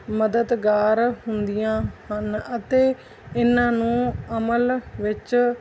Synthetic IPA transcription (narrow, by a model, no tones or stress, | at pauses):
məd̪əd̪ɡaːɾɦʊnd̪ijãːhənət̪eː | ɪnːãːnũːəməlʋɪt͡ʃ